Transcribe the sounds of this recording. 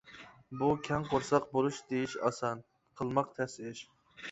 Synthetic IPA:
bukʲʰɛŋqʰoɾsɑq̚bolˠuʃd̪ejiʃɑ̰sɑn | qʰəlˠmɑqt̪ʰɛsɪɾɪʃ

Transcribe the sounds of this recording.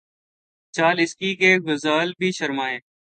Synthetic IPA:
t͡ʃaːlɪskiːkeːɡʊzaːlbʱiːʃəɾmaːeː

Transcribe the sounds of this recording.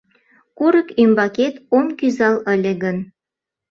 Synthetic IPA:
kuɾəkymbɑket̪omkyzɑlə̆lʲeɣən

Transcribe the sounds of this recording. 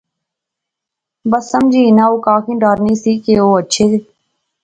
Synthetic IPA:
bəsːəmd͡ʒiːnãːoːkaːkʰĩːɖaːɾniːsiːkeːoːətːʃʰeːsiː

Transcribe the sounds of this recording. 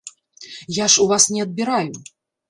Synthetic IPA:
jaʂuvasnʲɛɐd̪̚bʲiɾaju

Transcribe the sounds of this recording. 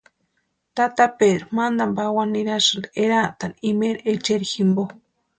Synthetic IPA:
t̪at̪apeɾumand̪ambawanːiɾaʃɨnd̪ieɾat̪animeɾet͡ʃeɾiximbo

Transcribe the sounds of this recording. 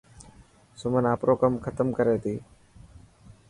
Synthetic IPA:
sʊmənaːpɾoːkəmkʰət̪əmkəɾeːt̪ʰiː

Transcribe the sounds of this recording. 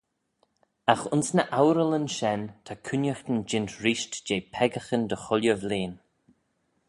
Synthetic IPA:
axʊnsnəʔawɾələnʃɛnt̪ʰakʰʊnjəxt̪ənd͡ʒɪnt̪ɾiːʃtd͡ʒeːpʰɛɡəxənd̪əxʊljəvleːn

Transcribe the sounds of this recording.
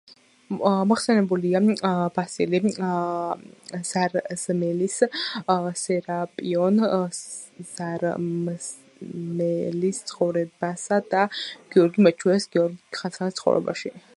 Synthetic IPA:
mɔχsɛnɛbuliab̥asḭli | z̥aɾz̥mɛlis | sɛɾapʼiɔn | z̥aɾ | mɛlist̪sʰχɔvɾɛbasad̪aɡ̥iɔɾɡimat͡ʃʰuɛsɡiɔɾɡiχansanist̪sχɔ̰vɾɛ̰ba̰ʃi

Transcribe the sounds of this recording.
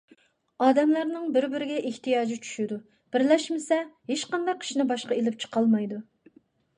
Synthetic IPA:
ɑːd̪ɛmlæɾnɪŋbɪɾbɪɾɪɡʲɛʔeht̪ijɑːd͡ʒit͡ʃʰy̥ʃɪd̪u | b̥ɪɾlɛʃmɪsɛɦeʃqɑnd̪ɑqʰːi̥ʃinɪbɑʃqɑelɪp̚t͡ʃʰə̥qʰɑlˠmɑjd̪u

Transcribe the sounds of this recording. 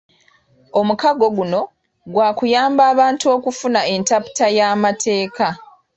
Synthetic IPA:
o̞mukaɡo̞ɡuno̞ | ɡwaːkujaːmbaːβaːntuo̞ːkufunae̞ntapu̥tajaːmatʰe̞ːka

